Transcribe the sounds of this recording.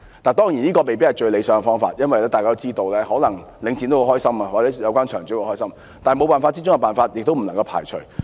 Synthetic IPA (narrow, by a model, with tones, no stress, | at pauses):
t̪aː˨nt̪ɔː˥ŋjiː˨˩niː˥kɔː˧me˨jp̬i˥ɐ˨jt͡ʃɵ˧le˨˧jsœː˨˥ŋɡɛ˨fɔː˥ŋfa̰ː˧t̚jɐ˥nwɐ˨jlɛː˥t̪aː˨jkaː˥o˥t͡siː˥t̪o˧wlɛː˥hɔː˨˥lɐ˨˩ŋ | lɪ˨˧ŋt͡si˧nt̪o˥kːo˧˩hɔː˥jsɐ˥mɐː˨wa˨t͡sɛ˨˥jɐ˨˧wkʷaː˥nt͡ʃʰœː˨˩ŋt͡ɕy˨˥kːo˧hɔː˥jsɐ˥m | t̪aː˨n˨˩mo˨˧wpaː˨nfaː˧t̚t͡si˥t͡sʊ˥ŋɛ˧paː˨nfaː˧t̚jɪ˨k̚t̪wm̩˨˩lɐ˨ŋkɐ˧wpʰa̰ː˨˩jt͡ʃʰɵ˨˩ɥ